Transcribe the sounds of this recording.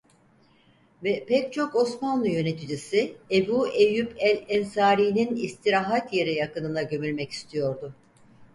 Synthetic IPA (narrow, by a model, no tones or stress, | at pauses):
vɛpɛc̚t͡ʃʰo̞ko̞smanlˠɯjø̞ne̞t̪ʰid͡ʒisiebuːejypɛlʲɛnsaːɾiːninist̪ʰiɾaːɦat̪je̞ɾɛjakɯnɯnd̪aɟø̞mylʲmɛci̥st̪ʰijo̞ɾd̪ʊ